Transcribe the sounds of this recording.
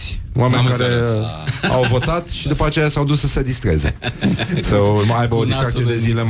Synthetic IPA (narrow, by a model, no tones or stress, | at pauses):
oamenʲkaɾe̞ | a̰wvo̞t̪at̪ʃid̪upəat͡ʃe̞jasawd̪usəsed̪ist̪ɾezesomaajbəod̪isk̪ak̪ijed̪ezilem